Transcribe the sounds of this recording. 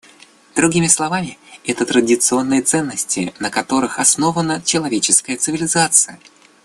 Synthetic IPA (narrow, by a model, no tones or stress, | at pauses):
d̪̥ɾʊɡʲimʲɪslˠɐvamʲɪɛt̪ət̪ɾədʲɪt̪sɨo̞nːɨjət̪sɛnːəsʲtʲɪ̰nəkɐt̪o̞ɾɨxɐsno̞vənət͡ɕɪlˠɐvʲet͡ɕɪskəjət̪sɨvʲɪlʲɪzat̪sɨjə